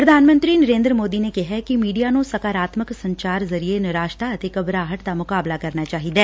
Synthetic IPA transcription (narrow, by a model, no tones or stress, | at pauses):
pɾɐd̪ʱaːnmə̃nt̪ɾinɐɾẽːnd̪ɾəmoːd̪inekɛɦɛkimiːɖijanõsɐkaːɾaːt̪məksɐ̃ɲt͡ʃaːɾzɐɾienɐɾaːʃt̪aɐt̪ɪkɐbɾaːɦəʈd̪amʊkaːblakɐɾnat͡ʃaːɦid̪ɛː